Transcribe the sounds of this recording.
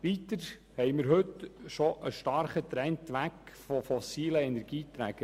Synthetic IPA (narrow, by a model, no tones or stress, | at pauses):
ʋit̪əɾ | hɛɪmɪɾɦɵt̪ʃɔʔəʃtɑɾχət̪ɾɛnt̪ʋækfɔfɔsiːləɛnɛɾɡ̥iːt̪ɾæɡ̥ə